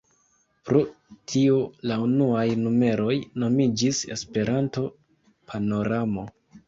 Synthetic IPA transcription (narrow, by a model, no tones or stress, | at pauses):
pɾo̞tʰiolaunuajnume̞ɾo̞jno̞mid͡ʒisespe̞ɾanto̞ | pʰano̞ɾamo̞